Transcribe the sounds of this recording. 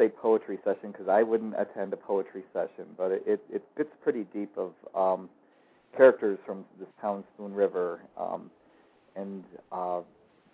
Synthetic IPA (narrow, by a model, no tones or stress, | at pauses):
seɪpʰoʊət͡ʃɹ̥isɛʃɨ̃nkʰʌzaɪwʊdⁿn̩tɨ̰tʰɛ̃ndɨpʰoʊət͡ʃɹ̥isɛʃɨ̃nb̥ʌɾʔɪɾɪt̚fɪtspʰɹ̥ɪɾidipʌv̥ʌ̃m | kʰɛɹɨk̚tə˞z̥fɹʌ̃mðɪstʰãʊ̃nspũnɹɪvə˞ʌ̰̃m | ɨ̃nʌ